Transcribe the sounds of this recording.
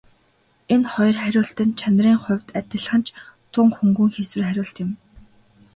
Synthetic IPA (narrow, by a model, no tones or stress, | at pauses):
enχɔj̆rχæɾʲʊːɬt̪ɘ̆nt͡ɕʰanriːŋχʊ̟wʲt̪at̪ʲɪ̆ɮχə̆nt͡ɕt̪ʰʊŋkxuŋɡŭŋxeswɘ̆rχæɾʲʊːɬt̪ɪ̆m